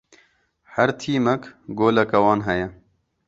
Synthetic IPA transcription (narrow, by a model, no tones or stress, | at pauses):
hæɾt̪ʰiːmɛkɡoːlɐkɐwɑːnɦɛjɛ